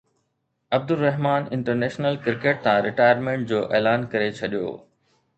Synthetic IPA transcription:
ɐb̚d̪ʊlːɐɦmaːnɪ̃ɳʈəɾneːʃnəlkɪɾkeːʈ̚t̪ʰãɾɪʈaːjəɾmẽːɳʈ̚d͡ʑoːʔeːlaːnkɐɾet͡ɕʰɐɗijo̰ː

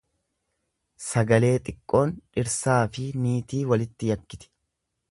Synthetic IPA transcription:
sɐɡɐle̞ːt̪ʼɪkʼːo̞ːnᶑɪɾsaːfɪniːt̪iːwɐlɪt̪ːɪjɐkːɪt̪ɪ̥

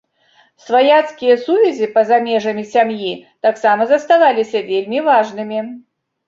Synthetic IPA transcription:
svajat̪skʲijɐsuvʲɛzʲipɐzamʲɛʐɐmʲisʲamjit̪aksamɐzɐst̪avalʲisʲɐvʲelʲmʲivaʐnɨmʲi

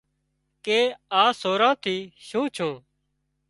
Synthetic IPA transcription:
keːaːsoːɾãːt̪ʰiːʃũːt͡ʃʰũː

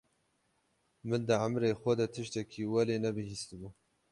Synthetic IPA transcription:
mɨnd̪ɨʕamɾeːxʷɐd̪ɐt̪ʰɨʃt̪ɛkʰiːwɛleːnɛbɨhiːst̪ɨbuː

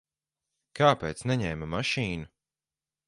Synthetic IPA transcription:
kaːpeːt̪snɛɲɛjmamaʃiːnu

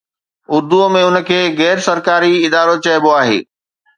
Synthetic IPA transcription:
ʊɾd̪umẽʊnə̆kʰeːɣɛːɾsɐɾkaːɾiɪd̪aːɾot͡ɕɐɪboaːɦḛː

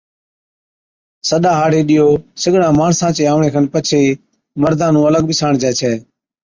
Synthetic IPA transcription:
səɗaːɦaːɽeːɗɪjoːsəɡɽãːmaːɳsãːt͡ʃeːaːʋɳẽːkʰənpət͡ʃʰeː | məɾd̪ʱãːnũːələɡ̚bɪsaːɳd͡ʒɛːt͡ʃʰɛː

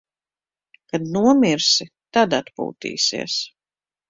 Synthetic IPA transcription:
kad̪nuɔmiɾsi | t̪ad̪at̪pṵːt̪ḭːsḭɛs

